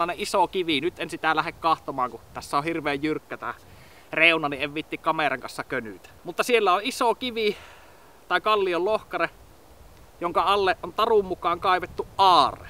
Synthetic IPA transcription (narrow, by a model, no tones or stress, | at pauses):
ɑˑeneʔʔisokiʋinyt̪ʔensit̪ælæhekkɑht̪omɑːŋkut̪æsːæohirʋˑeːjjyrkːæt̪æ̰ | reˑunɑniʔʔeʋʋiet̪ːikkɑmerɑŋkɑnsːɑkønyt̪æ̥mut̪ːɑsielːæoʔʔisokiʋi | t̪ɑˑekɑlːiollohkɑre | joŋkɑɑlːeʔʔont̪ɑrummukɑːŋkɑˑeʋet̪ːuʔʔɑːrˑḛ